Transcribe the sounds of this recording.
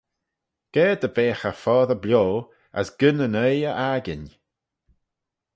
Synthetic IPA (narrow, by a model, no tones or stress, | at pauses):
ɡ̥ɛd̪əbeːxəfɔːðəblʲjoː | ə̰sɡ̥ənənəjəʔaɡɪ̰n